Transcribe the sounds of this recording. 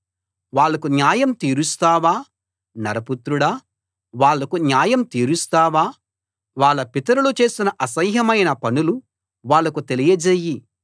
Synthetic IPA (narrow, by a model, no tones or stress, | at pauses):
ʋaːɭːɐkunjaːjɐmt̪iːɾust̪aːʋaː | nɐɾɐput̪ɾuɽaː | ʋaːɭːɐkunjaːjɐmt̪iːɾust̪aːʋaː | ʋaːɭːɐpit̪ɐɾulut͡ʃe̞ːsinɐʔɐsɐjɦɐmɐjnɐpɐnulu | ʋaːɭːɐkut̪e̞lijɐd͡ʒeːjːi